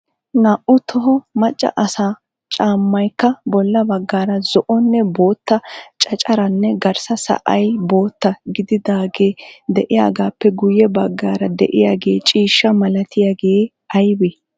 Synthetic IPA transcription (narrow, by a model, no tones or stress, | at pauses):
naːʔʊt̪ʰɔɦɔmɐt͡ʃʼːɐ̰ʔɐsaː | t͡ʃʼaːmːɐjkːɐbɔlːɐbɐɡːaːɾɐzɔʔɔnːɛbo̞ːt̪ːɐt͡ʃʼɐt͡ʃʼɐɾɐnːɛɡɐɾsɐsɐ̰ʔɐjbo̞ːt̪ːɐɡɪd̪ɪd̪aːɡe̞ːd̪ɛʔɪja̰ːɡaːpːɛɡʊjɛbɐɡːaːɾɐd̪ɛ̰ʔɪjaːɡe̞ːt͡ʃʼiːʃːɐmɐlɐt̪ɪjaɡeː | ɐjbe